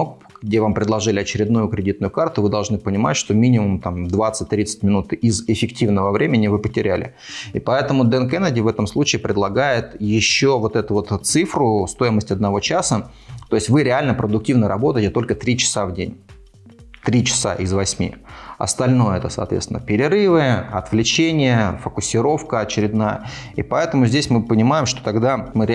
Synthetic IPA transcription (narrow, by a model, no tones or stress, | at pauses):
ɡdʲe̞vampɾʲɪdlˠɐʐɨlʲɪɐt͡ɕɪɾʲɪd̪nujʊkɾʲɪdʲit̪nʊjʊkart̪ʊvɨd̪ɐlˠʐnɨpənʲɪma̰tʲʂt̪o̞mʲinʲɪmʊmt̪amd̪vat̪sɨt̚ʲt̪ɾʲit̪sɨ̥tʲmʲɪnut̪ɪzɪfʲɪktʲivnəvəvɾʲʔemʲɪnʲɪvɨpətʲɪɾʲælʲɪ̰ | ɪpɐɛt̪əmʊd̪ɛnkɛnədʲɪvɛt̪əmslˠut͡ɕɪːpɾʲɪd̪lˠɐɡajɪt̪jɪɕːovo̞t̪ɛt̪ʊvo̞t̪t̪sɨfɾʊst̪o̞ɪməsʲtʲɐd̪nɐvo̞t͡ɕasə | t̪o̞ɪsʲtʲvɨɾʲɪalʲnəpɾəd̪ʊk̚tʲivnəɾɐbo̞t̪əɪtʲɪt̪o̞lʲkət̪ɾʲit͡ɕɪ̥savdʲenʲ | t̪ɾʲit͡ɕɪ̥sa̰ʔɪzvɐsʲmʲḭɐ̰st̪ɐlʲno̞jəɛ̰t̪əsɐ̰ːt̪vʲḛst̪vɪ̰nəpʲɪɾʲɪɾɨvɨɐt̪vlʲɪt͡ɕenʲɪjəfəkʊsʲɪɾo̞fkəɐt͡ɕɪɾʲɪd̪najə̰ipɐɛt̪əmʊzʲdʲesʲmɨpənʲɪmajɪmʂt̪o̞̥t̪ɐɡd̪amɨɾʲ